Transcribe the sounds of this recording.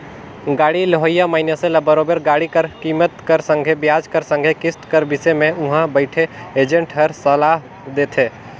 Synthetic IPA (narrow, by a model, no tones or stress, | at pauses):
ɡaːɽiləɦəjamaːɪnjəsẽlɐbəɾoːbəɾɡaːɽikəɾkiːmət̪kəɾsə̃ŋɡʱebjaːd͡ʒkəɾsə̃ŋɡʱekɪsʈkəɾbɪsemẽʊɦãbəɪʈʰeeːd͡ʒə̃ɳʈɦəɾsəlaːɦ | d̪eːt̪ʰeː